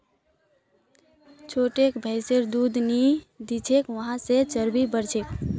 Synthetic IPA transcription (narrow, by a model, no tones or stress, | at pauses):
t͡ʃʰoːʈekbʱəɪseɾd̪ud̪nid̪it͡ʃʰekʋəɦãset͡ʃəɾbibəɾt͡ʃʰek